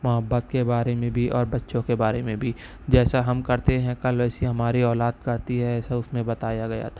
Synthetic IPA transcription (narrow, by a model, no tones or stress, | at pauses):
mʊɦəbːət̪kebaːɾemẽbʱiʔɔːɾbɐtːʃõkebaːɾemẽbʱi | d͡ʒɛːsaɦɐmkɐɾt̪eɦɛ̃kɐlɛːsiɦɐmaːɾiɔːlaːd̪̚kɐɾt̪iɦɛɛːsaʊsmẽbɐt̪aːjaɡɐja̰t̪ʰḁː